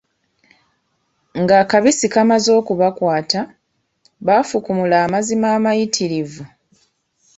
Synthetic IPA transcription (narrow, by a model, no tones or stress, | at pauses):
ŋɡaːkaβisikamazo̞ːkuβakwaːta | βafukumulaːmazimaːmajitʰiɾivu